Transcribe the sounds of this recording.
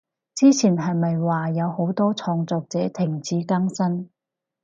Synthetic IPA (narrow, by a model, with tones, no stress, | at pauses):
t͡siː˥t͡sʰiː˨˩nɦɐ˨jmɐ˨jwaː˨jɐ˨˧who˨˥wt̪ɔː˥t͡sʰɔː˧ŋt͡sɔː˨k̚t͡sɛː˨˥t̪ʰɪ˨˩ŋt͡siː˨˥kɐ˥ŋsɐ˥n